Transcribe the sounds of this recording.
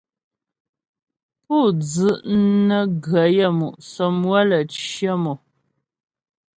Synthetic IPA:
pu˦˨d͡zɨ˦ʔnə˦ɡɰə˨˦jə˦˨mu˨ʔsɔ˨mwə˦lə˨t͡ʃjə˦mɔ˨

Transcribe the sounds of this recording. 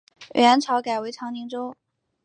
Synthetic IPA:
ɥʔə˧˥nʈ͡ʂʰɑ˧˥ʊka˨˩ɪwe˧˥ɪʈ͡ʂʰɑ˧˥ŋni˧˥ŋʈ͡ʂo˥

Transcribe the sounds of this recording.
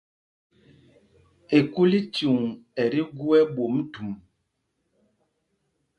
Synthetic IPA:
e˨ku˦li˦t͡ʃu˨ŋɛ˨ɾi˦ɡu˦ɛ˦bo˨m˦tu˨m

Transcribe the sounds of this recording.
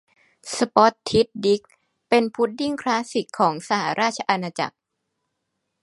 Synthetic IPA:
sa˧pɔ˦˥t̪ʰːi˦˥t̪̚di˦˥k̚ | pe˧npʰu˦˥t̪̚ji˥˩ŋkʰlaː˦˥si˨˩kʰːɔː˩˦ŋsa˧ɦa̰˨˩˦ɾaː˥˩t̪̚t͡ɕʰa˧ʔa˧naː˧t͡ɕa̰˨˩k̚

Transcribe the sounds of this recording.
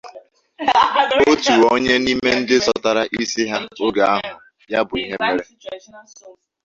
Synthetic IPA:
o˦tu˨o˦ɲe˦ni˦me˦n̩˦dɪ˦zɔ˦ta˨ɾa˦ʔi˦si˦ɦa˦o˦ɡa˨a˦ɦʊ˨ | ja˦bʊ˨i˦ɦe˦me˦ɾe˦

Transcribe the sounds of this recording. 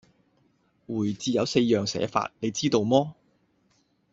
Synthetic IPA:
wuː˨˩jt͡siː˨˧jɐ˨˧wse˧jːœː˨˩ŋsɛ̰ː˨˥fa̰ː˧t̚ne˨˧jt͡siː˥t̪o˧wmɔː˥

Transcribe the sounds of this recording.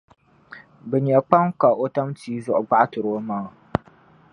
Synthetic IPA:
bɛ˨ɲɛ˨k͡pa˦ŋka˨ʔo˦ta˦mtiː˦zʊ˦ʔʊ˨ɡ͡ba˦ʔa˦tʊ˨ɾoː˦maː˦˨

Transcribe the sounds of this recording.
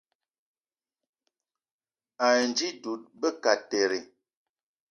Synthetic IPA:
a˨nd͡ʒi˦du˨t̚bə˦ka˨te˨ɾe˨

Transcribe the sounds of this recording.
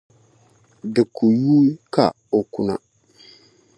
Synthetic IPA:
dɪ˨kʰu˨juː˦ka̰˨ | o˨kʊ˨na̰˨

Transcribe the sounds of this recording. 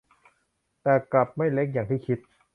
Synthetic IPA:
t̪ɛː˨˩kla˨˩p̚ma˥˩jle˦˥k̬̚jaː˨˩ŋt̪ʰiː˥˩kʰi˦˥t̪̚

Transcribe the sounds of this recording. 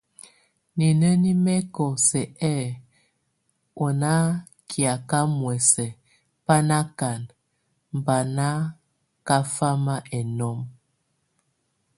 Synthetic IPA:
ni˨nə˦ni˦mɛ˦kɔ˨sɛ˨ɛ˦˨ | ɔ˨na˦ | kʰja˨ka˦mwɛ˨sɛ˨ | pa˦na˦ka˨n | m˨ba˨na˦ | ka˦fa˦ma˦ʔɛ˨nɔ˦m

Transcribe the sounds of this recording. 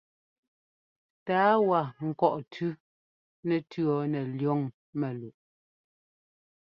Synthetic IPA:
taː˨˦wa˨ŋ̩˨kɔ˨ʔtʰʉ˦ | nɛ˨tʉ˦ɔ˦nɛ˨ljɔ˦˨ŋ | mɛ˨lu˨ʔ

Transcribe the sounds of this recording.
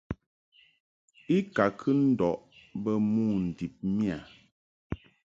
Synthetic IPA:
i˦ka˨kʰɨ˦n̩˦dɔ˨ʔbə˦mu˦˨n̩˨di˨p̚mi˦a˨

